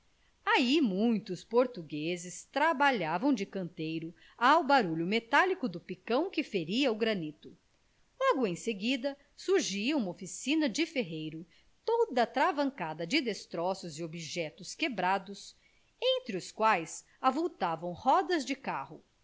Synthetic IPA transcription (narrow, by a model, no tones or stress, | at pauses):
aimũj̃t̪ʊspoɾt̪uɡezɪst̪ɾabaʎavɐ̃w̃d͡ʒɪkɐ̃nt̪ejɾʊ | awbaɾuʎʊmet̪alikʊd̪ʊpikɐ̃w̃kɪfeɾiɐʊɡɾɐnit̪ʊ | lɔɡʊẽj̃seɡid̪ɐ | suɾʒiɐũmɐofisĩnɐd͡ʒɪfeɦejɾʊ | t̪od̪ɐt̪ɾavɐ̃ŋkad̪ɐd͡ʒɪd̪est̪ɾɔsʊzɪobiʒɛt̪ʊskebɾad̪ʊs | ẽnt̪ɾɪʊskwajs | avowt̪avɐ̃w̃hɔd̪ɐzd͡ʒɪkahʊ